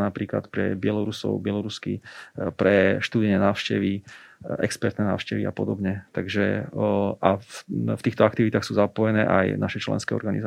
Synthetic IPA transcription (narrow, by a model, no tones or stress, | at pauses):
napɾiːkla̰t̪pɾɛbɪɛlɔɾusɔ̰ʊbɪɛlɔɾuskḭpɾɛʃt̪uːd̪iɲɛnaːʊʃcɛʋiɛ̰kspɛɾt̪nɛna̰ːʊʃcɛʋiapɔd̪ɔbɲɛt̪aɡʒɛ | ʔafft̪iːxt̪ɔakt̪iʋit̪aːxsuːzapɔjɛnɛːʔa̰jnaʃɛt͡ʃlɛ̰nskɛːɔ̰ɾɡanḭza